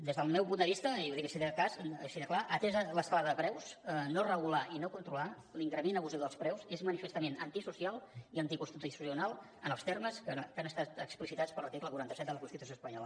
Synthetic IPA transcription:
d̪ezðəlˠmɛwpund̪əβist̪əowðikəsiðəkazsiðəklaʔət̪ɛzələskalaðəðəpɾɛwsnorəɣulaʔinokunt̪ɾula | liŋkɾəmenəβuziwðəlˠspɾɛwzezmənifəst̪əmenənt̪isusialˠiənt̪ikunst̪it̪usiunalˠ | ənəlˠst̪ɛrməskəkanəst̪at̪əksplisit̪at͡spəɾlˠt̪ikləkuɾant̪əsɛt̪̚d̪ələkunst̪it̪usjospəɲɔlə

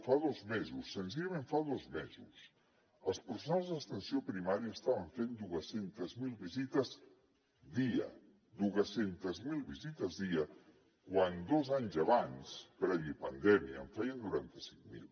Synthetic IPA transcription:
faðozmezusːənziʎamẽɱfaðozmezus | əlˠspəɾsunalˠzðəst̪ənsiopɾimaɾiəːst̪aβəɱfend̪uəsent̪əzmilˠβizit̪əz | d̪iə̰ | d̪uɣəsent̪əzmilˠβizit̪əzðiə | kwand̪ozaɲzəβanspɾɛβiəpənd̪ɛmiəːɱfɛjənd̪uɾant̪əsi̥ŋmḭlˠ

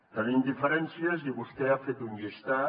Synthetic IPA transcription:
t̪aβind̪ifeɾent͡siezdiɣust̪eafet̪unest̪a

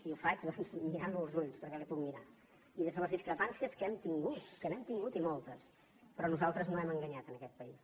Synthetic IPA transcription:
iufad͡ʒðɔnzmiɾanlulˠzuʎspəɾkɛlipukmiɾa | iðəzðələzðiskɾəpansiəskɛmt̪iŋɡut̪kənɛmt̪iŋɡut̪imɔlˠt̪əs | pɾɔnuzalˠt̪ɾəznoɛməŋɡəɲat̪ənəkɛt̪̚pəis

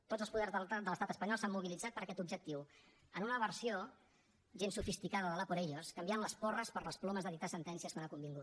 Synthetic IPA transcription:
t̪odd͡zəlˠspuðɛrzðəd̪ələst̪at̪əspəɲɔlˠsamːuβilid͡zat̪̚pəɾəkɛt̪ub̚ʒək̚t̪iw | ənunəβəɾsio | ʒensufist̪ikaðəðələpuɾɛʎoskəmbjanləspɔrəspəɾləsplɔməzðəðit̪asənt̪ɛnsiəskonakumbiŋɡut̪

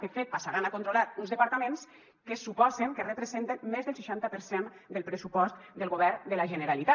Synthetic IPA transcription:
kefet̪̚pasaɾanakont̪ɾolat̪unzðəpaɾt̪amẽns | kəsupɔzeŋkərəpɾəzent̪enmezðəlˠsiʃant̪əpəɾsend̪əlˠpɾəsupɔst̪d̪əlˠɣoβ̞ɛɾd̪əlaʒənəɾalit̪a

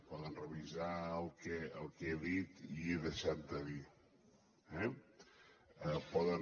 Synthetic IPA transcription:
pɔðənrəβizaəlˠkɛəlˠkeðit̪ieðəʃat̪̚d̪əði | ɛ | əpɔðə

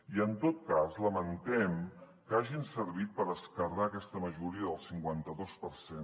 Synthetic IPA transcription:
iənt̪ot̪̚kazləmənt̪ɛm | kaʒinsəɾβit̪̚pəɾðəskəɾðaəkɛst̪əməʒuɾiəðəlˠsiŋkwant̪əðospəɾsen

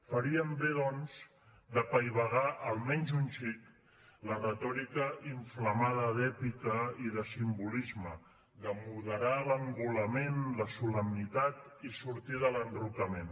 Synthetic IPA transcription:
fəɾiəmbeðɔnz | d̪əpəjβəɣaʔəlˠmɛnzunʲʃik | lərət̪ɔɾikəʔiɱfləmaðəðɛpikəiðəsimbulizmə | d̪əmuðəɾaləmbuləmenləsuləmnit̪at̪isuɾt̪iðələnrukəmen

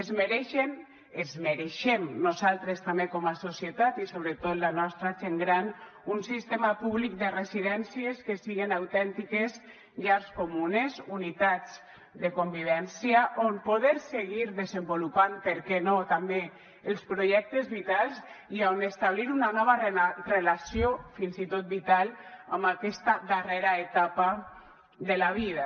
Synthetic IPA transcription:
ezmeɾeʃen | ezmeɾeʃemnuzalˠt̪ɾest̪ambekɔmasosjet̪at̪isoβ̞ɾet̪ot̪lanɔst̪ɾat͡ʃeŋɡɾan | unsist̪emapuβlik̚d̪eresiðɛnsieskesiɣenawt̪ɛnt̪ikez | ʎaɾskomunezunit̪ad͡z | d̪ekombiβ̞ɛnsiaʔompoðeɾseɣiɾðezembolupanpeɾkɛnot̪ambe | elˠspɾoʒɛk̚t̪ezβit̪alˠzianest̪aβ̞liɾunanɔβ̞arrelasiofinzit̪ot̪̚bit̪ala̰mbakɛst̪aðareɾaet̪apa | ðelaβiða

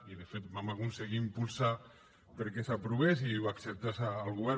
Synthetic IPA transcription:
iðefet̪bamakunseɣiːmpulˠsa | pəɾkɛsapɾuβesiβaksep̚t̪asaːlɣuβɛ

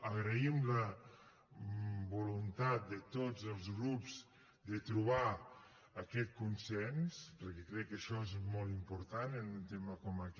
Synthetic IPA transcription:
əɣɾəimlə | βulunt̪at̪̚d̪ət̪od͡zəlˠzɣɾupz | d̪ət̪ɾuβa | əkɛt̪̚kunsɛnspəɾkɛkɾɛkːəʃɔezmɔlˠt̪impuɾt̪anənunt̪eməkɔmək

